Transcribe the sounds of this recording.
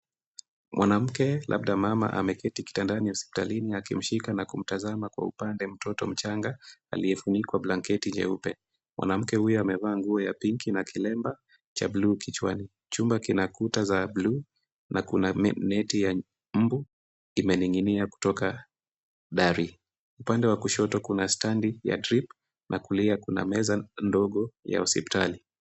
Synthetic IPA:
mwʔanam̩kɛla̰b̚ɗamama̰ʔa̰mɛkɛtiki̥tandaniuspi̥taliniakim̩ʃikanakum̩tazamakwa̰ṵpandɛm̩tɔtɔ̰m̩t͡ʃaŋɡaa̰liɛfunikwablaŋkɛtiɲd͡ʒɛ̰upɛ | mwʔa̰nam̩kɛhujɔamɛvaːŋɡuɔjapiŋkinakʰilɛmba | t͡ʃabluːkit͡ʃwa̰ni | t͡ʃumbakinakutazablu | nakunanɛtija | m̩bu | imɛniŋɡiniaku̥tɔka | ɗaɾi | upandɛwakuʃɔtɔkunastandija̰dɾip | nʔakuliakuna̰mɛzandɔɠɔja̰usipi̥tali

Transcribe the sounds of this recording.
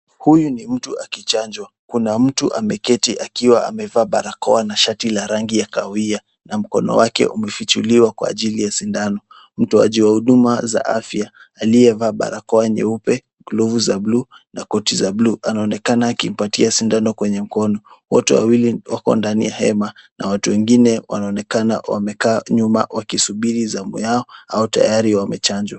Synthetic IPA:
hujunim̩tuakit͡ʃaɲd͡ʒwa | kunam̩tuʔa̰mɛkɛtiʔakiwaʔa̰mɛvaːɓaɾakɔanaʃatilaɾaŋɡijakaia | nam̩kɔ̰nɔ̰wakɛ̰ʔumɛfit͡ʃuliwakwa̰ːʄilijasindanɔ | m̩tua̰ʄiwahuɗumaza̰ʔafjaː | lijɛvaːɓa̰ɾakɔaɲɛ̰upɛ | ɡluvuzablu | nakɔtizabluʔanaɔnɛkanaːkim̩patiasindanɔkwɛɲɛm̩kɔnɔwɔtɛ̰wa̰wiliwakɔ̰ndanḭjahɛmanawatuwɛŋɡinɛwa̰naɔnɛkana̰wa̰mɛkaːɲuma̰wakisuɓiɾizamṵjaɔaɔta̰jaɾiwamɛt͡ʃaɲd͡ʒwa

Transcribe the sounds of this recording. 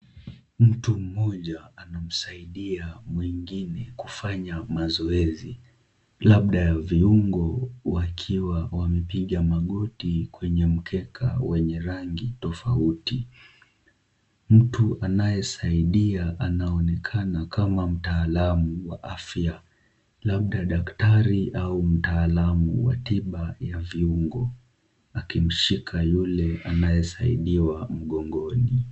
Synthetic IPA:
m̩tum̩mɔʄaanam̩saiɗiamwiŋɡinɛkufaɲamazɔɛzi | laɓɗajaviuŋɡɔwakʰiwawamɛpiɠamaɠɔtikwɛɲɛm̩kʰɛkʰa̰wɛɲɛɾaŋɡitɔfauti | m̩tuʔanajɛsaiɗiaʔanaɔnɛkʰanakʰamam̩taːlamuwaʔafja | laɓ̚ɗaɗaktaɾiʔaum̩taːlamṵwa̰tiɓajaviuŋɡɔ | akim̩ʃikʰajulɛanajɛsaiɗiwam̩ɠɔŋɡɔni

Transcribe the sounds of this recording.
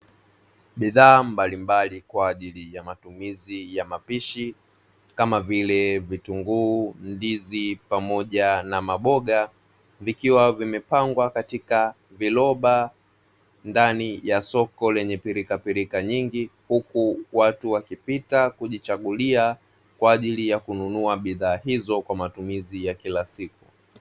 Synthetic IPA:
ɓiðaːmbalimbalikwaːʄilijamatumizijamapiʃi | kamavilɛvituŋɡuːndizipamɔʄanamaɓɔɠa | vikiwavimɛpaŋɡwakatika | vilɔɓa | ndanijasɔkɔlɛɲɛpiɾikapiɾikaɲiŋɡihukuwatuwakipitakuʄit͡ʃaɠulia | kwaːʄilijakununuaɓiðaːhizɔkwamatumizijakilasik̚u

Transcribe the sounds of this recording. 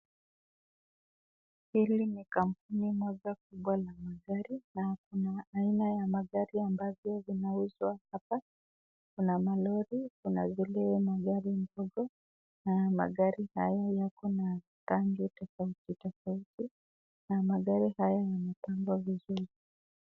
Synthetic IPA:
hilinikam̩p̚unimɔʄakuɓwalamaɠaɾinakunaːinajamaɠaɾiambavjɔvinauzwahapa | kunamalɔɾikunavilɛmaɠaɾindɔɡɔ | nama̰ɠaɾihajajakɔna | taŋɡitɔfaititɔfaiti | namaɠaɾihajajanapaŋɡwavizuɾi

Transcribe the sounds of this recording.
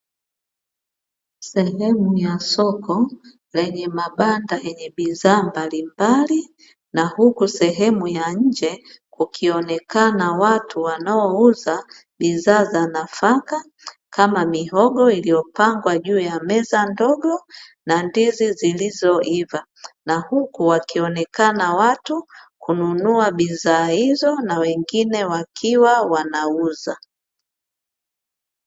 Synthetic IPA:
sɛɦɛmujasɔkɔ | lɛɲɛmaɓandaɛɲɛɓizaːmbalimbali | nahukusɛɦɛmujaɲ̩d͡ʒɛkukʰiɔnɛkanawatuwanaɔuza | ɓizaːzanafaka | kamamiɦɔɠɔilijɔpaŋɡwaʄuːjamɛzandɔɡɔnandizizilizɔiva | nahukuwakiɔnɛkanawatukununuaɓizaːhizɔnawɛŋɡinɛwakʰiwawanauza

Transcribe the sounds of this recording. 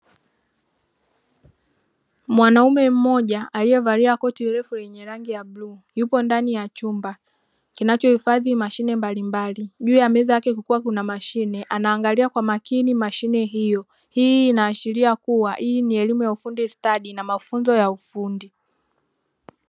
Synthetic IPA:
mwanaumɛm̩mɔʄaʔalijɛvaɾiɾakɔtiɾɛfulɛɲɛɾaŋɡijabluːjupɔndanijat͡ʃumba | kinat͡ʃɔhifaðimaʃinɛmbalimbaliʄuːjamɛzajakɛkukuwakunamaʃinɛʔanaːŋɡaliakwamakinimaʃinɛɦijɔ | hiːnaːʃiliakuwaʔiːniɛlimujaufundistaɗinamafunzɔjaufundi

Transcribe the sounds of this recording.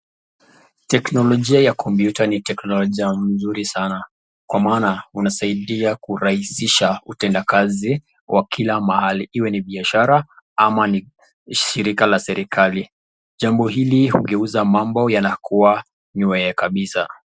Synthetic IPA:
tɛknɔlɔʄiajakʰɔmpjutanitɛknɔlɔʄiam̩zuɾisana | kwamaːnaunasaiɗiakuɾahisiʃautɛndakazi | wʔakʰilamahaliʔiwɛniɓiaʃaɾa | amani | ʃʃiɾikalasɛɾikali | ʄambɔɦilihuɡɛuzamambɔjanakuwa | ɲuɛɛkaɓisa

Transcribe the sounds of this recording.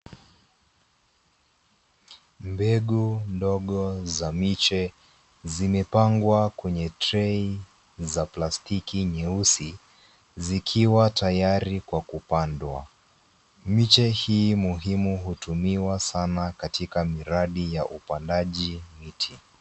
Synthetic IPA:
mbɛɠundɔɠɔzamit͡ʃɛ | zimɛpaŋɡwakwɛɲɛtɾɛi | zaplastikiɲɛusi | zikʰiwatajaɾikwakupandwa̰ | mit͡ʃɛhiːmuɦimuɦutumiwasanakatikamiɾaɗijaʔupandaʄimitʰi

